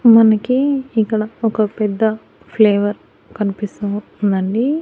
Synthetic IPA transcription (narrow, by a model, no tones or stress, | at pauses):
mɐnɐkiiŋkːɐɽɐɔkɐpɛd̪ːɐ | pʰleːʋɐɾ | kɐnipisɐ | nd̪ɐɳɖi